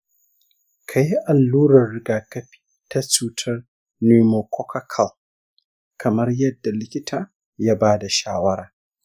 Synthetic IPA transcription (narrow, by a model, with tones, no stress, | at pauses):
kʰa˨ji˦ʔa˨lːuː˦ɾɐ˨rːɪ˦ɡaː˨kɐ˦ɸi̥˨˦ | ta˦t͡ʃuː˦tʰɐ˦r | ni˦mo˨kʰɔ˦ka˦kʰɐ˨l | kʰɐ˨mɐ˦rjɐ˦dːa˨lɪ˦kʲɪ˦tʰaː˨ | ja˦baː˦da˨ʃa̰ː˦wɐ˦ɾaː˨